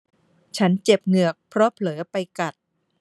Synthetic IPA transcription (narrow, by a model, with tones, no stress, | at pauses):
t͡ɕʰa˦˥nt͡ɕe˨˩p̚ŋɯ˨˩ək̚pʰɾɔ˦˥pʰlɤː˩˦pa˧jka˨˩t̪̚